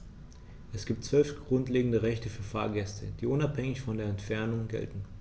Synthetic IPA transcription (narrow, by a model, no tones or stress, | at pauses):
ʔɛsɡ̥iːp̚tt͡sv̥œlfɡ̥ʁʊntleːɡŋ̩dəʁɛçtəfyːɐfa̰ːɐɡɛstʰəd̥iːʔʊnaphɛŋɪçfɔndeːɐɛntfɛɐnʊŋɡɛ̰ltn̩